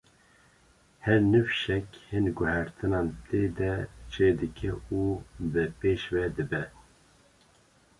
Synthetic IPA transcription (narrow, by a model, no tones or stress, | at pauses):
hɛɾnɨfʃɛkhɨnɡʊhæɾt̪ʰɨnɑːnt̪ʰeːd̪ɛt͡ʃʰeːd̪ɨkʰɛubɨpeːʃvɛd̪ɨbɛ